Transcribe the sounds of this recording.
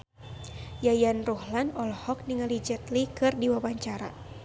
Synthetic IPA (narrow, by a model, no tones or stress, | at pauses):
jajanruhlanɔlhɔk̚niŋalid͡ʒɛt̪likɨrdiwawaɲt͡ʃaɾa̰